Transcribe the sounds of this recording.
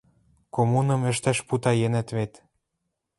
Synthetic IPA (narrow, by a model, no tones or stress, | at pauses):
komunɤ̆mɘ̆ʃt̪æʃput̪ɑjenæ̆t̪βet̪